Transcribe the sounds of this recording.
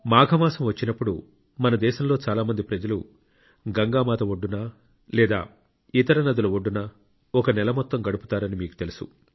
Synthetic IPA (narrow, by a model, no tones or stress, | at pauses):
maːɡʱɐmaːsɐmʋɐt͡ʃːinɐpːuɽu | mɐnɐd̪ɛːʃɐmlo̞ːt͡ʃaːlaːmɐnd̪ipɾɐd͡ʒɐlu | ɡɐŋɡaːmaːt̪ɐʋoɖːunaː | lɛːd̪a̰ː | it̪ɐɾɐnɐd̪ɐluʋoɖːunɐ | ɔkɐnɛlɐmɔt̪ːɐmɡɐɽupu̥t̪aːɾɐnimiːku̥t̪e̞lusṵ